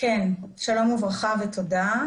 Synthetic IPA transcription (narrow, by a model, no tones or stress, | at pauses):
kenʃalomuvʁaχaveto̞da